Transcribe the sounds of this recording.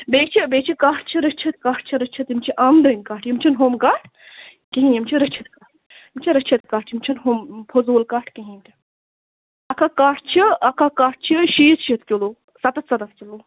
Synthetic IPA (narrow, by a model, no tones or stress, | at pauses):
beːkt͡ʃʰibeːkt͡ʃʰikaːʈʰt͡ʃʰiɾɐt͡ʃʰɐt̪̚kaːʈʰt͡ʃʰiɾɐt͡ʃʰit̪imt͡ʃʰiʔaːmd̪ənkaːʈʰjimt͡ʃʰinɦomkaːʈʰ | kiɦĩjimt͡ʃʰiɾɐt͡ʃʰit̪̚kaːʈ | imt͡ʃʰiɾɐt͡ʃʰit̪kaːʈ̚t͡ʃʰimt͡ʃʰinɦompʰozuːlkaːʈʰkiɦĩmt̪ʲʰi̥ | ɐkʰakaːʈʰt͡ʃʰiɐkʰakaːʈ̚ʰt͡ʃʰiʃiːt̪ʃit̪kʲoloː | sɐt̪ɐt̪sɐd̪ɐt̪kʲʰiloː